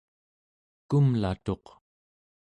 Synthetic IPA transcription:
kumlat̪o̞q

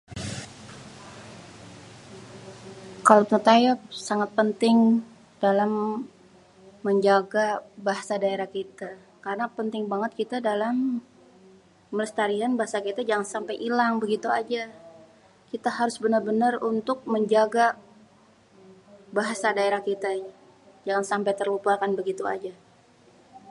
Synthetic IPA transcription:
kalot̪ət̪ajap̚saŋat̪̚pənt̪ɪŋ | d̥alam | əɲd͡ʒaɡabaɦasadaeɾahkit̪a | kaɾənapənt̪ɪŋbaŋət̪̚kit̪adalam | ələst̪aɾianbaɦasakit̪ad͡ʒaŋansampajʔilaŋbəɡit̪ua̰d͡ʒa | kit̪aɦaɾʊsbənərbənarunt̪ʊk̚məɲd͡ʒaɡa | baɦasadaeɾahkit̪a | d͡ʒaŋansampajt̪ərlupakanbəɡit̪ua̰d͡ʒa

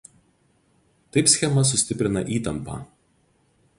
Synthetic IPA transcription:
t̪ɐɪpsʲxʲɛmɐs̬ʊsʲt̪ʲɪpʲɾʲɪnɐ̰ʔiːt̪ɐmpɑ̰ː

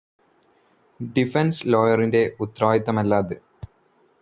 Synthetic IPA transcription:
ɖifenslo̞ːjɐrinde̞ʔut̪raːjit̪ːɐmɐlːaːðɨ

